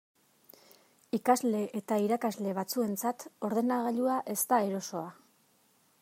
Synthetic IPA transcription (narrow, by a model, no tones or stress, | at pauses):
ikazle̞ʔet̪aiɾakazle̞β̞at͡sue̞nt͡sat̪o̞ɾðe̞naɣaʎuaʔe̞st̪ae̞ɾo̞so̞a